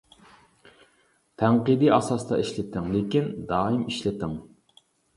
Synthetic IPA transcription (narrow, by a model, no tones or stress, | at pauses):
t̪ʰæŋqɨd̪iʔɑsɑst̪ɑ̰iʃlɪt̪ʰɪŋlɪkʲind̪ɑːimiʃlɪt̪ɪŋ